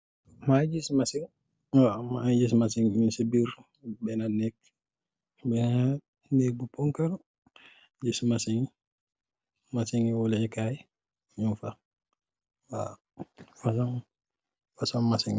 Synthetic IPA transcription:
mad͡ʒismasiŋ | wamad͡ʒis̬masiŋinsebiɾ | bɛnanɛk̚ | bɛna | nɛk̚bupːɔŋkaɾ | d͡ʒismasiŋ | masiŋiwɔlɛɛkaj | ɲumfa | wa̰ | fasan | fasanmasiŋ

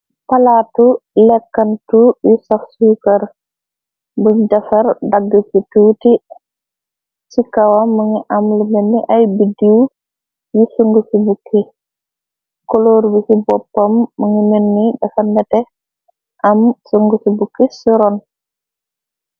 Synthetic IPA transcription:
palatulɛkːantujusɔfsukaɾ | buɲdafaɾdaɡːəsituːti | sikawamːəŋiʔamlimenːiʔajbidiw | jisuŋɡusibukːi | koloɾbisibɔpːamːəŋimenːidafandɛtɛ | ʔamsuŋɡusibukːisuɾɔn

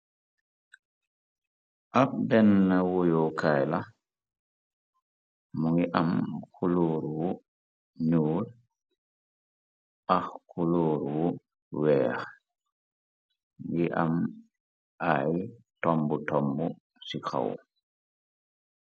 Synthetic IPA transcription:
ʔabɛnːawɔjɔkʰajla | muŋiʔamkʰuloːɾwu | nuːl | ʔahkuloːɾwu | wɛːh | ɡiʔam | ʔajtɔmbɔtɔmbɔ | sikʰa̰w

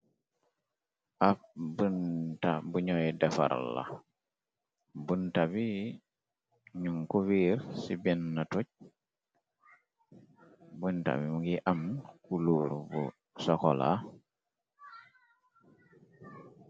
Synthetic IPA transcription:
ʔafbəntabuɲɔjɛdɛfa̰ɾa̰la̰ | buntabi | ɲuŋkuwiːɾsibinːatuc̚ | bunta̰bimuɡiʔamkuluːɾbṵ | sɔkɔla̰

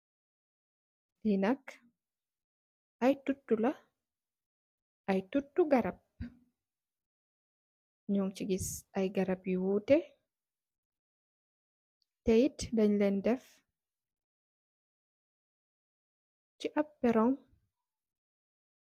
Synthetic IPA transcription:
linak | ʔajtutːula | ʔajtutːuɡaɾap̚ | ɲɔŋt͡ʃiɡisʔajɡaɾabiwuːtɛ | tejtdaɲlɛndɛf | t͡ʃiʔabːɛɾɔŋ

